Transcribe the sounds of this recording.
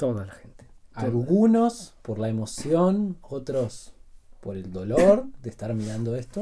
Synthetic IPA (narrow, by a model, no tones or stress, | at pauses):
t̪oðalaxent̪e̥aolɣunospoɾlae̞mo̞sjonot̪ɾospoɾe̞ld̪o̞loɾd̪eːst̪aɾmiɾand̪oest̪o